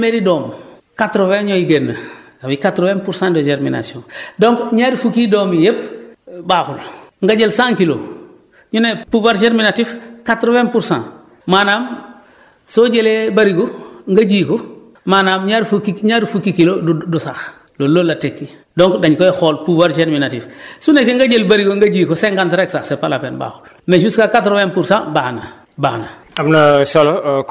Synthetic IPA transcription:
meɾidoːm | katɾoveɲojiɡenːə | abikatɾovempuɾsãndod͡ʒeɾmina̰siõ̰doŋkɲadifukidoːmijep̚baːxulŋɡaɟelsãːŋkilo̰ | ɲunepuvaɾd͡ʒeɾminatifkatɾovempuɾsã̰n | maːnaːm | soɟelebaɾiɡoŋɡaɟiːko | maːnaːmɲaɾfukiɲadufukikilodudusaːx | lolːolːatekːidoŋkdaɲkoexoːlpuvaɾt͡ʃeɾminatifsunekiŋɡaɟelbaɾiɡoŋɡaɟiːkoseŋɡantɾeksaːxsepalapenba̰ːhol | meʃuskakatɾwenpuɾsãbaːna | ba̰ːna | abnasolo

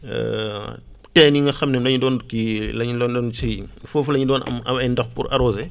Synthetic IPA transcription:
tɛːniŋɡɐxɐmnɛmdɐɲidɔːnkilɐɲdɔːndɔːnt͡ʃiɾifofulɐɲidɔːnɐ̰mɐ̰mɐjndɔxpṵɾʔɐ̰ɾɔːzɛ

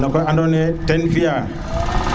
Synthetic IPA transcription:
nakɔjandɔnɛtɛnfija

